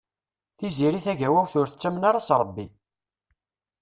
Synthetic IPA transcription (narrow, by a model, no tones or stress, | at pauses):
θiziɾiθæʝæwæçθʊɾθət͡sːæmnaɾˤɑsɾˤəbːi